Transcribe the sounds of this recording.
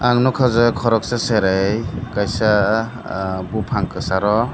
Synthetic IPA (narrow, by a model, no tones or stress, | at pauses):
aŋnɔkʰazɯkʰɔɾɔk̚saseɾajkajsa | bupʰaŋkɯsaɾɔ